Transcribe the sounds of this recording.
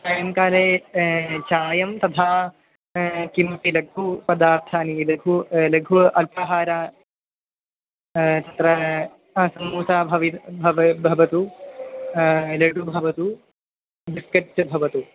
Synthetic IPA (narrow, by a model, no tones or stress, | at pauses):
t͡ʃaːjɐmkaːleː | t͡ʃaːjɐmt̪ɐt̪ʰaː | kimpilɐɡ̚ʱupɐd̪aːɾt̪ʰaːnilɐɡʱulɐɡʱuʔɐlpɐɦaːɾaː | t̪ɐt̪ɾɐ | sɐmːuːsaːbʱɐʋibʱɐʋbʱɐʋɐt̪u | leɖubʱɐʋɐt̪u | d̪iskɐt͡ʃɐbʱɐʋɐt̪u